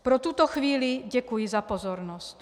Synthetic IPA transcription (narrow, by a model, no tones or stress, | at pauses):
pɾɔt̪uːt̪ɔxʋiːliɟɛkujizapɔzɔɾnɔsc